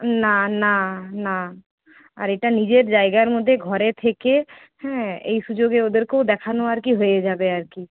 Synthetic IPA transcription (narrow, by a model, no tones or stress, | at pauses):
nanana | a̰ɾeʈanid͡ʒeɾd͡ʒaːeɡaɾmʊd̪ʱːeɡʱɔɾẽt̪ʰeke | hɛ̃ḛisud͡ʒoːɡeod̪əɾkod̪eːkʰanuaɾkiɦoed͡ʒaːbeaɾki